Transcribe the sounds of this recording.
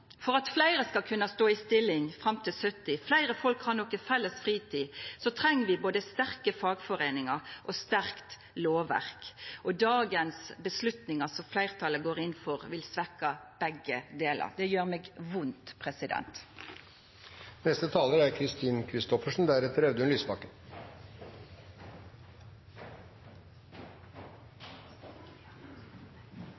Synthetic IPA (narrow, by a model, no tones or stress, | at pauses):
fɔʁɑt̪flæɪɾəskɑlkʰʉnːɑst̪oːɪst̪ɪlːɪŋfʁɑmt̪ʰɪlsœt̪ɪflæɪɾəfɔlkhɑʁnɔkːəfɛlːəsfʁiːt̪ʰiːsɔt̪ʰɾɛŋːəʋɪboːd̪əst̪æʁkəfɑːɡfɔɾenɪŋɑʔɔst̪æɾkt̪ | loːʋæ̰ʁkʔɔd̪ɑːɡənsbəslʉt̪nɪŋɑsɔmflæɪʁt̪ʰɑləɡoːɾɪnːfɔʁʋɪlsʋɛkːɑb̥ɛɡəd̪eːlə̰ʁd̪ɛjøːʁmeːɡʋʊnt̪pʰʁɛsɪd̪ɛ̰nt̪ | nɛst̪ət̪ʰɑːləɾæɾkʰɾɪst̪iːnkʰɾɪst̪ɔfəʂn̩d̪æɾɛt̪əɾɛʋd̪əʉnlyːspɑkən